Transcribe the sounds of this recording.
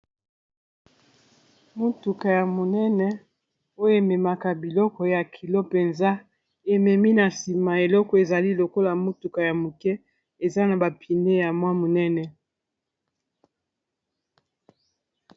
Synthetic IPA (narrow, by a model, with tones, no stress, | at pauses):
mo˦tu˨ka˨ja˨mo˨nɛ˦nɛ˦ | o˦jo˦o˨e˨mɛ˨ma˨ka˨bi˨lɔ˦kɔ˨˦ja˨kʰi˨lo˦pe˨nza˦ | e˨mɛ˨mi˦na˨si˨ma˨e˨lɔ˦kɔ˨e˨za˨li˦lo˨ko˦la˨mo˦tu˨ka˨ja˨mo˨kɛ˦ | e˨za˦na˨ba˨pʰi˨ne˦ja˨mwa˦mo˨nɛ˦nɛ˨